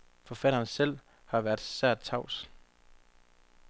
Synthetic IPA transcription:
fɒ̽fæɾɐːnsel̰ | hɑ̈ʋæɐd̥sæɐ̰d̥̚t͡sʰɑ̈ʊ̰s

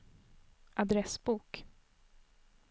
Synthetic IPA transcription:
ʔad̪ɾɛsbuːk

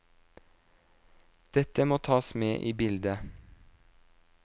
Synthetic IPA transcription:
d̪̥ɛt̪əmoːt̪ʰɑːsmeːʔiːbɪld̪ə

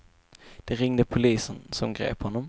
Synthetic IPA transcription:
d̪̥ɛɾɪŋd̪əpʰʊliːsənsɔmɡɾḛːphɔnːɔm

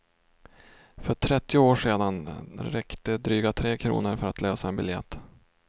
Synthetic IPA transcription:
fœʈʰɾɛt̪ːɪʊoːʂeːd̪anɾɛkt̪əd̪ɾyːɡat̪ʰɾeːkʰɾṵːnəɾfœɾat̪løːsaɛnbɪljɛ̰t̪ː

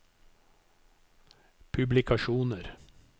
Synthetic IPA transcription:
pʰʉblɪkʰɑʃuːnəɾ

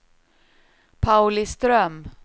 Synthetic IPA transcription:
pʰaʉlɪst̪ɾœm

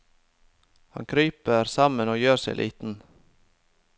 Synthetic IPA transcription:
hɑ̰ŋkʰɾyːpəɾsɑmənoːjøːɾseɪlḭːt̪n̩

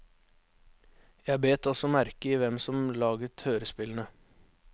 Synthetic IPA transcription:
jæɪbeːt̪ɔsɔmæɾkəiːʋɛmsɔmlɑːɡət̪høːɾəspɪln̩ə

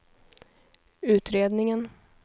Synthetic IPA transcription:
ʉ̟ːt̪ɾeːd̪nɪŋən

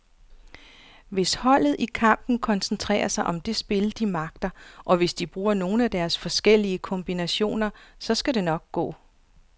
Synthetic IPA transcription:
ʋe̝shɒ̽l̰ð̞̩ˠʔikʰɑ̈m̰b̥n̩kʰɒ̽nsn̩t͡sʰʁɛ̰ːɐsɑ̈ɪʔɒ̽md̥e̝sb̥e̝ləd̥imɑ̈ɡ̥̚d̥ɐʔɒ̽ʋe̝sd̥ib̥ʁuːɐno̝ːn̩æd̥æɐsfɒ̽sɡ̥el̰iəkʰɒ̽mb̥inæɕo̝̰ːnɐsɒ̽sɡ̥æde̝nɒ̽ɡ̥̚ɡ̥ɔ̰ː

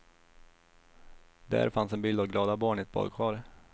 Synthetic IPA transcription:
d̪æ̰ɾfansɛnbɪld̪avɡlɑːd̪abɑːɳɪɛt̪̚bɔ̰ːɾɡɧɑːɾ

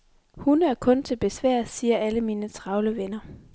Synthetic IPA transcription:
hunæɐkʰɔ̽nt͡sʰe̝lb̥e̝sʋæɐ̰siːɐæləmiːnət͡sʰʁɑ̈ʊləʋenɐ

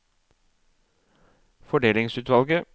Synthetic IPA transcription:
fɔɖeːlɪŋsʉːt̪ʋɑlɡə

